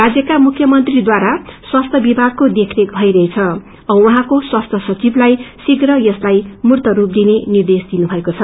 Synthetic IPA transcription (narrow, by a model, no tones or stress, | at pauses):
rad͡zjʌkamukʰjʌmʌnt̪rid̪waɾaswast̪ʰʌbibʱaɡ̚kod̪ekʰrekbʱʌjɾʌɦet͡sʰʌ | ʌwʌɦãkoswast̪ʰʌsʌt͡siblajsiɡrʌjʌslajmurt̪ʌɾup̚d̪inenird̪esd̪inubʱʌekot͡sʰʌ